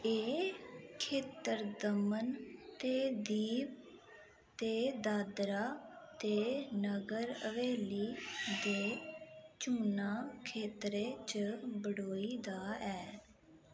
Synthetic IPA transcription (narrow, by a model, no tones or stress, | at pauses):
eːkʰeːt̪əɾd̪əmənt̪eːd̪iːp | t̪eːd̪aːd̪ɾaːt̪eːnəɡəɾə̰ʋeːliːd̪eːt͡ʃuːnaːkʰeːt̪ɾeːt͡ʃbəɽoːiːd̪aːɛː